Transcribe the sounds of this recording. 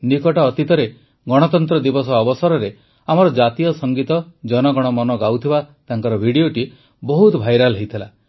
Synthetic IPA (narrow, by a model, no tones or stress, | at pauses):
nikɔʈɔːt̪it̪ɔɾe | ɡɔɽ̃ɔt̪ɔnt̪ɾɔd̪ibɔsɔːbɔsɔɾɔɾe | amɔɾɔd͡ʒat̪ijɔsɔŋɡit̪ɔd͡ʒɔnɔɡɔɽ̃ɔmɔnɔɡawt̪ʰibat̪aɦaŋkɔɾɔbʱiɽioʈi | bɔɦut̪bʱajɾalɦejt̪ʰila